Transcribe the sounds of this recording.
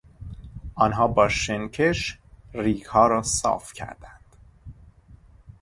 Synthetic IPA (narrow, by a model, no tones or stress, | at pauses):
ʔɒːnɦɒːbɒːʃencʰeʃriːkhɒːɾɒːsɒ̰ːfcʰæ̰ɾd̪ænd̪̥